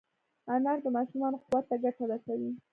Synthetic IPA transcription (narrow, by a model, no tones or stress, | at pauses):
anaɾd̪əmɑʃumɑnoquwat̪ːaɡaʈaɾasawi